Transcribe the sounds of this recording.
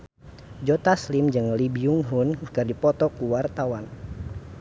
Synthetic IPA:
d͡ʒɔt̪aslimd͡ʒɨŋlibiuŋɦunkɨrdipɔt̪ɔkuwart̪awan

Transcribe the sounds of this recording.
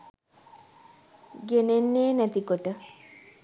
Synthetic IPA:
ɡenenːeːnæt̪ikoʈə

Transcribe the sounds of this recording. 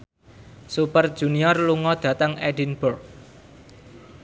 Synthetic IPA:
supərd̥ʒ̥ṳniɔrluŋɔd̪̥ä̤t̪əŋeɖinb̥ʊrk̚

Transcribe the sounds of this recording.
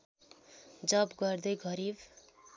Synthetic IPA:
d͡zʌbɡʌrd̪ʌjɡʌɾib

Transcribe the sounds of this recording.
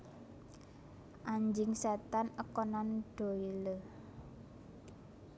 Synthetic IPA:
ʔaɲd͡ʒɪŋsɛt̪anəkɔnanɖ̥o̤ilə

